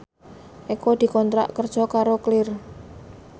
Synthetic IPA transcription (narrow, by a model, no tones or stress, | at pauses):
ʔikod̪̥i̤kɔnt̪ɾa̰ʔkərd̥ʒ̥ɔ̤kaɾoklɪr